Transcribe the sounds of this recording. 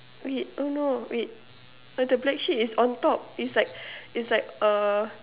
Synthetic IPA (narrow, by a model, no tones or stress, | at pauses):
wit̚onowit̚ | adəblɛk̚ʃitisɔ̃ntɔp̚islaɪk̚itslaɪk̚ə